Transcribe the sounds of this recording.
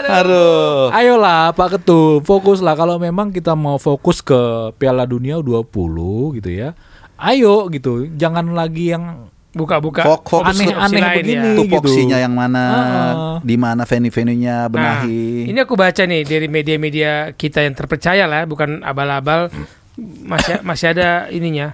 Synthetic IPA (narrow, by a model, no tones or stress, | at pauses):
haɾʊajoʔlahpakət̪ulfokʊslahkalomemaŋkit̪amaufokʊskəpealaduniaduapṵluhɡit̪uja | ʔajoʔɡit̪ud͡ʒaŋanlaɡijaŋ | bukabukaokfonɛhaniɛlabəɪnɡianiɡfikt̪suiɲajaŋmanaadimanafenifeniɲabənnaɦiiniakubat͡ʃanɪhdaɾimediamediakit̪ajaŋt̪ərpərt͡ʃajalabukana̰balabal | masimasiadainiɲa